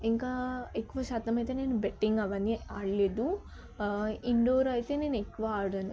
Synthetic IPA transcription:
iŋkaːekːuʋɐʃaːt̪ɐmɐjit̪e̞ːne̞ːnubeʈːiŋɡɐʋɐnːiɐɽleːd̪u | iɳɖoːɾɐjt̪e̞ne̞ːnuekːuʋɐaːɽɐni

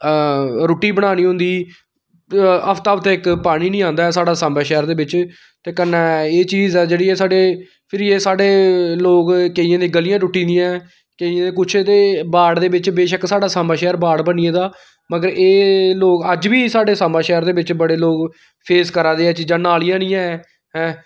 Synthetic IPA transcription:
ɾoːʈːiːbəɽ̃aːniːɦʊ̃nd̪iː | əpʰt̪aːpʰt̪eːɪkpaːɽ̃iːnĩːãːnd̪aːɛːsaːɖaːsaːmaːʃɛːəɾd̪eːʋɪt͡ʃ | t̪eːkənːɛːeːt͡ʃiːzɛːd͡ʒeːɽiːeːsaːɖeː | pʰɪɾjeːsaːɖeːloːkkeiːãːd̪ẽːɡəlɪjãːʈʊʈːĩːd̪ijãɛː | keiẽːd̪eːk̬ʊt͡ʃʰed̪eːbaːɽd̪eːʋɪt͡ʃbeːʃəksaːɖaːsaːmaːʃɛːɾbaːɽbəniẽːd̪aː | məɡəɾeːloːkəd͡ʒʋiːsaːɖeːsaːmaːʃɛːəɾd̪eːʋɪt͡ʃbəɽeːloːk | pʰeːskəɾaːd̪eːɛːt͡ʃid͡ʒãːnaːlijãːnĩːãɛ | ɦɛ̃ː

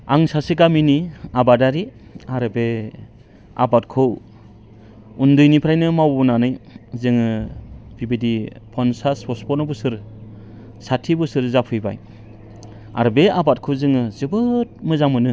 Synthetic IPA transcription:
a̰ŋsasiɡaminiabadaɾiaɾɯbe | a̰bat̚kʰɯw | undɯjnipʰɾajnɯmawbunanɯjzɯŋɯb̥ibidipʰɔnsaspʰɔspɔnɔbɯsɯɾ | satʰibɯsɯɾzapʰɯjba̰j | a̰ɾbeabat̚kʰɯwzɯŋɯzɯbɯt̚mɯzamɯnɯ

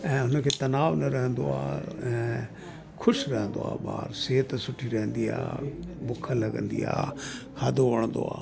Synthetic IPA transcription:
ɛ̃ːʊnəkʰeːt̪ɐnaːʋnɐɾɐɦə̃nd̪oa̰ːɛ̃ː | kʰʊʃɾɛɦə̃nd̪o̰a̰ːɓa̰ːɾseːt̪sʊʈʰiɾɛɦə̃nd̪ia̰ːbʊkʰəlɐɡə̰̃nd̪ḭa̰ːhɐd̪oʋəɽ̃nd̪o̰a̰ː

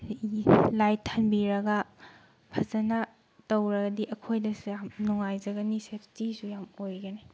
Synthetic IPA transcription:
lajtʰːɐnbiɾɐɡɐ | pʰɐzɐnɐ | towɾɐɡɐdiʔɐkʰojdɐsjamnuŋajzɐɡɐnisepʰtisujamojɡɐne

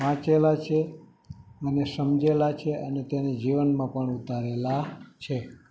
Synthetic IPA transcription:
ʋãt͡ʃelat͡ʃʰe | ənesəmd͡ʒelat͡ʃʰeʔənet̪ened͡ʒiʋənmãpəɳut̪aɾelat͡ʃʰe

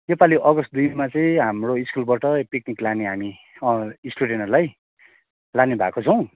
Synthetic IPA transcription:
jopaliʔʌɡʌst̪̚d̪ujmat͡sʌĩɦamroiskulbaʈʌpikniklaneɦami | ʌisʈuɽenʌlaj | lanebʱa̰kot͡sʰʌw̃

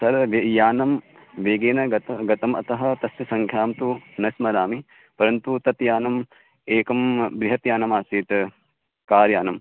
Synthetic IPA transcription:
sɐɾʋejaːnɐm | ʋeːɡeːnɐɡɐt̪ɐɡɐt̪ɐmɐ̰t̪ɐɦɐt̪ɐsjɐsɐŋkʰjaːmt̪unɐsmɐɾaːmi | pɐɾɐnt̪ut̪ɐt̪jaːnɐm | eːkɐmbɾiɦɐt̪jaːnɐmaːsiːt̪ | kaːɾjaːnɐm

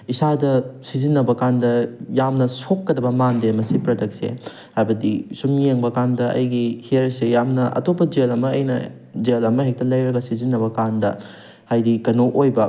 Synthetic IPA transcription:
isadɐsizinːɐbɐkandɐjamnɐsokːɐdɐbɐmandemɐsipɾɐdɐkt̚sḛ | hajbɐdisumeŋbɐkandɐʔɐ̰jɡihiɾsejamnɐʔɐ̰topːɐd͡ʒelɐmɐːjnɐ̰ | d͡ʒelɐmɐɦek̚tɐlɐjɾɐɡɐsizinːɐbɐkandɐ | hajdikɐnoʔojbɐ

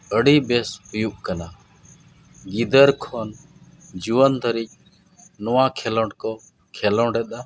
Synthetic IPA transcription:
əɽibɛshujuʔkana | ɡid̪əɾkʰɔn | d͡ʒuwənt̪ʰəɾic̚ˀ | nɔwakʰɛlɔ̃ʈkɔ | kʰɛlɔɖɛt̪a

